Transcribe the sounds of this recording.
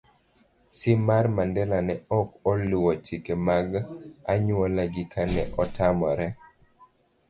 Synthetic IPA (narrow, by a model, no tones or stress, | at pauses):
sɪmarmandɛlanɛɔkɔlʊwɔt͡ʃikemaɡaɲwɔlaɡɪkʰanɛʔɔtʰamɔɾɛ